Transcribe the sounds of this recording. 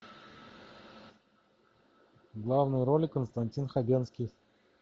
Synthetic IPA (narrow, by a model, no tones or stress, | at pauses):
ɡlˠavnɨjɾolʲɪkənst̪ɐnʲtʲinxabʲenskʲij